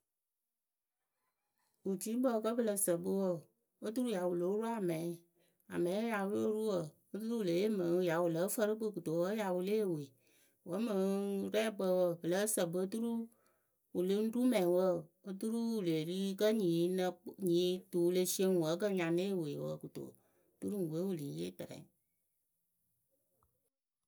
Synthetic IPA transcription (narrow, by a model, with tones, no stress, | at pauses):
u˨ti˨˦bə˦˧kə˦bə˨lə˧sə˨bɨ˦wə˦˨ | o˦t̬u˦ɾu˦ja˨wu˨lo˨˦ɾu˦a˨mɛ̃˨˦ | a˨mɛ̃˨˦ja˨wu˦o˦ɾu˦wə˨ | o˦tu˦ɾu˦u˨le˨˦e˦mə˨˦˧ja˨wu˨lə˨˦fə˧ɾɨ˦bɨ˦˨ku˨to˨˦ə˦ja˨wu˧le˦˨we˨ | wə˨˦mə˨˦ɾɛː˦˨k͡pə˧wə˧˨bə˨lə˨˦sə˨bɨ˨˦tu˦ɾu˦ | wu˨lə˦n̩˦du˦mɛ̃˨wə˦˨o˦tu˦ɾu˦u˨le˨li˦kə˦ɲi˨˦nə˧ɲiː˨˦tu˨˦le˧si˦e˧ŋ˨wə˨˦k̬ə˦˨ɲã˨˧ne˦˨we˨wə̰˧˨ku˨to̰˨˦ | tu˦ɾu˦˨we˨˦wu˦˨li˨˦je˦˨tɛ˨ɾɛ̰˨˦